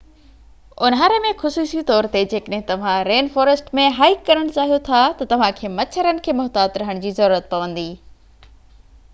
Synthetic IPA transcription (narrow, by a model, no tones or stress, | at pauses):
ʊnɦaːɾemẽxʊsuːsit̪ɔːɾt̪ed͡ʑeːkəɗɦɪ̃t̪ɐʋ̤ãɾeːnfɔːɾəsʈmẽɦaːɪkːɐɾəɽ̃t͡ɕaːɦijot̪ʰat̪ɐt̪ɐʋ̤ãkʰeːmɐt͡ɕʰəɾənɪ̆kʰeːmʊɦt̪aːd̪ɾɐɦəɽ̃d͡ʑiːzɐɾuːɾət̪̚pɐʋə̃nd̪iː